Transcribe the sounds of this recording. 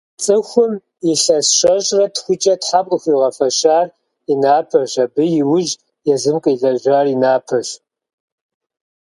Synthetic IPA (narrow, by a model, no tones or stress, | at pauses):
t͡sʼɨxʷʊm | jɪɬɐsʃʷɐɕʼrɐtxʷʊt͡ʃʼɐtħap̚ʼkʼxʷiːʁɐfɐɕaːr | inaːpʰɐɕɐbɨjɪwʊʒ | jɛzɨmkʼɨjɮɐʒʷaːrinaːpʰɐɕ